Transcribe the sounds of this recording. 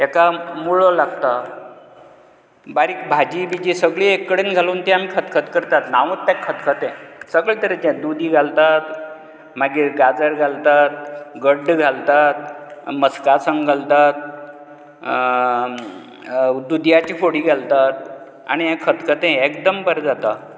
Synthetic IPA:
ɛkamuɭɔlaɡt̪a | baɾiːkbʱad͡ʑiːbid͡ʑesəɡɭiekːəɽenɡʱaluːnt̪eamikʰət̪kʰət̪kəɾt̪at̪naʋũt̪ːɛ̃kʰːət̪kʰət̪ɛ̃səɡɭet̪əɾed͡ʑɛ̃d̪ud̪ʱiːɡʱalt̪at̪ | maɡeɡad͡zəɾɡʱalt̪at̪̚ɡəɖɡʱalt̪at̪̚məskasəŋɡʱalt̪at̪̚ | d̪ud̪jat͡ɕifoɽiːɡʱalt̪at̪̚ | a̰ɽ̃iɛ̃kʰːət̪kʰət̪ɛ̃ekd̪əmbəɾd͡zat̪a

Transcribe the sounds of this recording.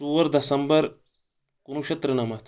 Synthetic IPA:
uːɐɾd̪ɐsɐmbɐɾ | kunuʃɐt̪ɾɨnɐmɐt̪ʰ

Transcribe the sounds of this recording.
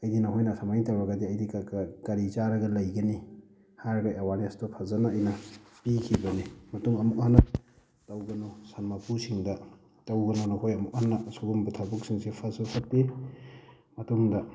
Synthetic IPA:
ɐjdinɐhojnɐsʰamajtɐwɾɐɡɐdiɐjdikkɐɾit͡ʃaɾɐɡɐlɐjɡɐni | haɾɡaawanestɔpʰɐzɐnɐːjnɐpikʰibɐnimɐtuŋɐmuk̚hanɐ | tɐwɡɐnosanmapusiŋdɐ | tɐwɡɐnonohojɐmuk̚hanːɐsuɡumbutʰabuk̚siŋsepʰɐsupʰɐtːi | mɐtuŋdɐ

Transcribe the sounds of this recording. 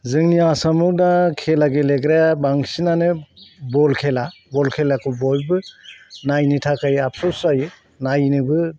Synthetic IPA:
zɯŋniasamudakʰelaɡeleɡɾejabaŋsinanɯbɔlkʰelabɔlkʰelakʰɯbɔjbɯnajnitʰakʰajapʰsɔsajɯ | najnɯbɯ

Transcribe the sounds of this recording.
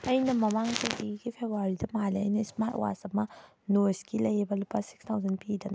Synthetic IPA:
ɐjnɐmɐmaŋtekiɡipʰebɾaɾidɐmaleɐ̰jnɐismatwa̰sɐmɐ | nosɡilɐjebɐlupɐsi̥kst̪ʰawzɐnpidɐn

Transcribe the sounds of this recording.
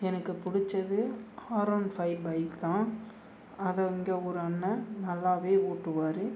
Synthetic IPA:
ɛnɐkːɯpʊɽɪt͡ʃːɐðɯaːɾɐːɳɖfɐɪbɐɪkt̪ãː | ɐðɐɪŋɡeːɔɾɯɐnːɐnɐlːaːʋeːoːʈːɯʋaːɾɯ

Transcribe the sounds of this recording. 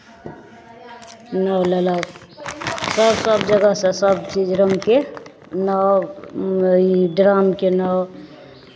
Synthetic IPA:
nəwlələb | səbsəbd͡ʒəɡəɦsẽsəbt͡ʃid͡ʒɾəmke | nəw | iɖɾamkenə

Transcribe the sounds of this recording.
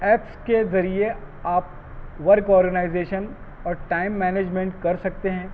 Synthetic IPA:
ɛːpskezɐɾieaːp̚ | ʋɐɾkɔːɾɡənaːɪzeːʃən | ɔːɾʈaːɪmːɛːneːd͡ʒmẽɳʈkɐɾsɐk̚t̪eɦɛ̃ː

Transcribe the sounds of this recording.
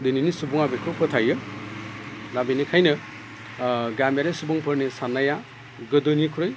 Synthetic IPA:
dɯninisubuŋabekʰɯpʰɯtʰajɯ | ɾabinikʰajnɯ | ɡameɾesubuŋpʰɯɾnesanːaja | ɡɯdɯnikʰuɾɯj

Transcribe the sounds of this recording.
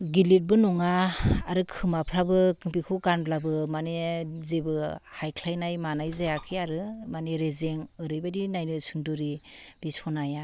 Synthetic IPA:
ɡilit̚bɯnɔŋaːɾɯkʰɯmapʰɾabɯkʰɯŋpikʰukanbʰlabɯmanezebɯhajkʰlajnajmanajzajakʰiaɾɯmaneɾezeŋɯɾɯjbadinajnɯsunduɾib̥isɔnaja

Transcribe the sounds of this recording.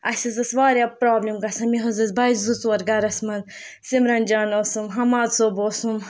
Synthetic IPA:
ɐ̰sɐzɐsʋaːɾʲapɾaːblʲimɡɐsɐmiɦɐzɐzbɐjzzut͡swɐɾɡɐɾɐsmɐn | simɾɐnʲd͡ʒaːnɐsumɦɐmaːd̪soboːsum

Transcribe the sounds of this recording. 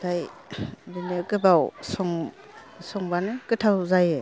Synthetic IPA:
dʰajdinekɯbawsɔŋ | sɔŋbanɯkɯtʰawzaje

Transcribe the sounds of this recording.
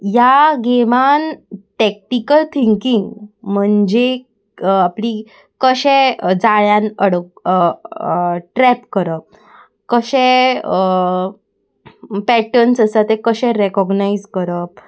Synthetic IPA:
jaɡeʋant̪ɛk̚nikəlt̪ʰiŋkiŋɡm̤əɳd͡ʑe | apli | kəɕɛ̃d͡zaɭjanəɽək | ʈɾɛpkəɾəp̚ | kəɕɛ̃ | pɛʈənsəsat̪ekəɕɛ̃ɾekɔɡnaid͡zkəɾəp̚

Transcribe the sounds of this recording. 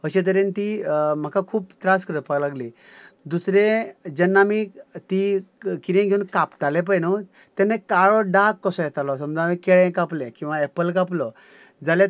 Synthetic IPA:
əɕẽt̪̬əɾent̪im̤əkakʰuːpt̪ɾãskɾəpalaɡli | d̪usɾẽd͡ʑɛnːamit̪ikiɾẽɡʱeunkapt̪alẽp̬əjno | t̪ɛnekaɭɔɖakːəsɔ̃jɛt̪alɔsəmd͡zãamikeɭɛ̃kaplẽkĩw̃ʋaɛpəlkaplɔ | d͡zalja

